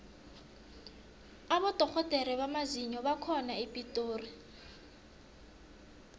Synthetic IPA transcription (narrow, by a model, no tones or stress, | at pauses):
aβɔdʱɔk͡xʰɔtʼɛɾɛβamaziɲɔβakʰɔnaepʼitʼoːri